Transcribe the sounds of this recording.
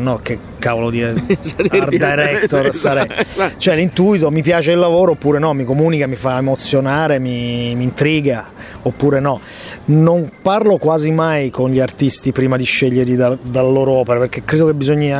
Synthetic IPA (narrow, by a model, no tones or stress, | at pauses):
nɔk̟e | kːaːvolod̪i | rd̪ajɾɛkt̪oɾsaɾɛjt͡ʃoɛlint̪uit̪omipjaːt͡ʃeilːavoːɾoopːuːɾenɔmikomuːnikamifaemot̪sːjonaːɾemimiːnt̪ɾiːɡa | opːuːɾenɔ | nomparlokwaːzimajkonʎiart̪ist̪ipɾiːmad̪iʃeʎːeɾʎid̪ad̪alaloːɾoɔːpeɾaperk̟ekːɾeːd̪okebːizoɲːia